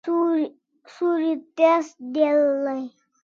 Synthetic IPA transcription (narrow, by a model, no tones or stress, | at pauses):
suɾit̪esd̪elːəj